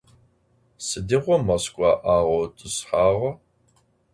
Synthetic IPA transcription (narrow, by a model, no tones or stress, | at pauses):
sɨdiʁʷɔmɐskʷʼɑːʔaːʁɐwtʼɨsħaːʁɐ